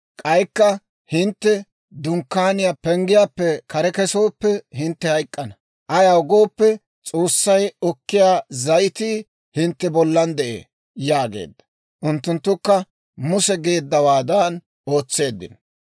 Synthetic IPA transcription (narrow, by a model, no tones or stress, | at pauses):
kʼɐjkːɐ | hɪnt̪ːɛ | d̪ʊŋkːaːnɪjapɛŋɡɪjaːpːɛkɐɾɛkɛso̞ːpːɛhɪnt̪ːɛhɐjkʼːɐnɐ | ʔɐjaʊɡo̞ːpːɛ | t͡sʼo̞ːsːɐjɔkːɪjaːzɐjɪt̪i | hɪnt̪ːɛbɔlːɐnd̪ɛʔḛː | jaːɡe̞̰ːd̪ːɐ̥ | ʔʊnt̪ːʊnt̪ːʊkːɐ | mʊsɛɡe̞ːd̪ːɐwaːd̪aːn | o̞ːt͡sːe̞ːd̪ːɪ̰n